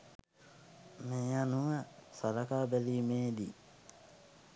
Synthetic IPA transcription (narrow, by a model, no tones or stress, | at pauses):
meːanuʋəsaɾakaːbæliːmeːd̪i